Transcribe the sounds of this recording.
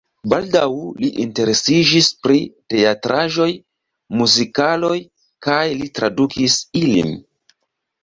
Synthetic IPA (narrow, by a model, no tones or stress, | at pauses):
baldawliʔinte̞ɾe̞sid͡ʒispɾite̞atɾʔaʒo̞j | muzikalo̞j | kajlitɾadukʰisilḭn